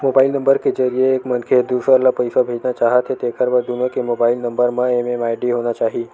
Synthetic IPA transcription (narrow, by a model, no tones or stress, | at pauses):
mobailnəmbəɾked͡ʒəɾijeːkmənkʰed̪usəlapəjsabʱed͡ʒnat͡ʃaɦət̪ʰet̪ekəɾʋəd̪ʱunokemobailnəmbəɾmãememajɖiɦonat͡ʃaɦi